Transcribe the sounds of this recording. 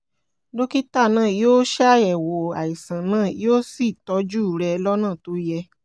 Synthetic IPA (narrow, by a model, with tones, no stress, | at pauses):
do˦ki˦ta˦˨nãː˦˨joː˦ʃɛ˦˨ɛ˨wo˨a˨i˨sã˨nãː˦˨jo˦si˦˨tɔ˨˦d͡ʒu˦˨ɾɛ˧lɔ˦nã˦˨to˨˦jɛ˧